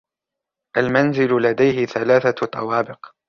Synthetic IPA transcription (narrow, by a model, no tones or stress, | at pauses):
ʔalmanzɪlʊlad̪ajɦɪθalaːθat̪ˤːɑwɑːbɪq